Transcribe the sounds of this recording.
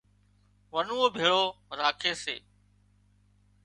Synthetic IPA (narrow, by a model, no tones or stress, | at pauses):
ʋənuõːbʱeːɭoːɾaːkʰeːsḛː